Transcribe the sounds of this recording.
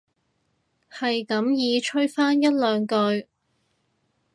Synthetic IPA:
hɐ˨jkɐ˨˥mjiː˨˧t͡ʃʰɵ˥ɥfaː˥njɐ˥t̚lœː˨˧ŋkɵ˧ɥ

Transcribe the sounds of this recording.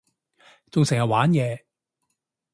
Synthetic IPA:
t͡sʊ˨ŋsɪ˨˩jɐ˨t̚waː˨˥njɛː˨˧

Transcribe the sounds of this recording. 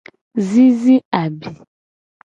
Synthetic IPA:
zi˦zi˦a˨bi˨

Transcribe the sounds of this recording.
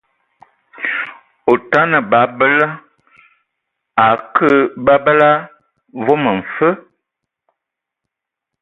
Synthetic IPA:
o˨ta˦nə˨ba˨˦bə˦lə˦ | a˨kə˦ba˦bə˦la˦ | vo˦mə˨ɱ̩˨fə˦

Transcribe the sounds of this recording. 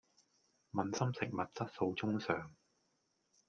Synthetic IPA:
mɐ˨nsɐ˥msɪ˨˩k̚mɐ˨t̚t͡sɐ˥t̚so˧wt͡sʊ˥ŋsœː˨˩ŋ

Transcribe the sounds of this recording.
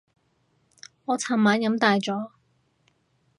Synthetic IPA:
ŋɔː˨˧t͡sʰaː˨˩maː˨˥nkɐ˨˥mt̪aː˨˧jt͡ʃɔː˨˥

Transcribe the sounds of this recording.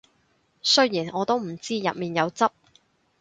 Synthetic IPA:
sɵ˥ɥjiː˨˩nʔɔː˨˧t̪o˥wm̩˨˩t͡siː˥jɐ̰˨t̚miː˨˩njɐ˨˧wt͡sɐ˥p̚

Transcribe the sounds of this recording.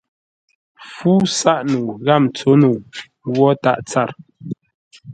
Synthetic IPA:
fuː˦sa˦ʔnu˨ɣa˦˨mt͡so˨˦nu˨ | wɔ˦ta̰˦˨ʔt͡sa˦˨ɾ

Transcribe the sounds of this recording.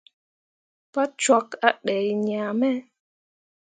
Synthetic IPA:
pa˦t͡ʃwa˧˦ka˦ɗɛ˨jɲaː˨mɛ˦

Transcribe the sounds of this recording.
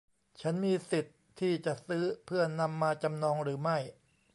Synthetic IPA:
t͡ɕʰa˦˥nmiː˧si˨˩t̪ʰːiː˥˩t͡ɕa˨˩ʔsɯː˦˥pʰɯ˥˩ɐna˧mːaː˧t͡ɕa˧mnɔː˧ŋɾɯː˩˦ma˥˩j

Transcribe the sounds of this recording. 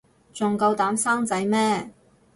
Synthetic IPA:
t͡sʊ˨ŋkɐ˧wt̪aː˨˥msaː˥ŋt͡sɐ˨˥jmɛː˥

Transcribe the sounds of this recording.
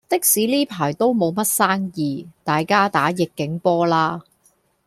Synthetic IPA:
t̪ɪ˥k̚siː˨˥liː˥pʰaː˨˩jt̪o˥wmo˨˧wmɐ˥t̚saː˥ŋjiː˨˩t̪aː˨jkaː˥t̪aː˨˥jɪ˨kːɪ˨˥ŋpɔː˥laː˥

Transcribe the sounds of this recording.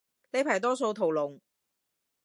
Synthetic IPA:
le˨˧jpʰaː˨˩jt̪ɔː˥s̬o˧wt̪ʰo˨wlʊ˨˩ŋ

